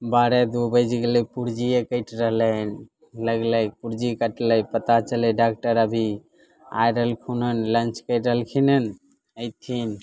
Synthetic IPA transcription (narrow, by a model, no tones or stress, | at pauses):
baɾed̪ubəd͡ʒkelepuɾd͡ʒiekəjʈɾəɦlən | ləɡləjpuɾd͡ʒikəʈləjpət̪at͡ʃəlɛɖak̚ʈəɾəbʱi | a̰jɾəɦəlkʰunənlənt͡ʃkəjʈɾəɦəlkʰinən | əjt̪ʰin